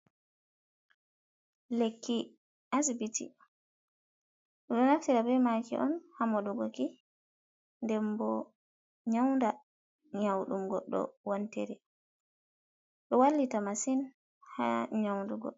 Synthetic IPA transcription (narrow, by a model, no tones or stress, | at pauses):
lekːi | ʔasbitʰḭ | ɗɔɗɔnaftiɾabɛmakḭʔɔnhamɔduɡɔki | ndɛmbɔ | ɲawnda | ɲawɗumɡɔ̰ɗːɔ̰wantɛɾɛ | ɗɔwalːitamasin | ha̰ɲawnduɡɔ̰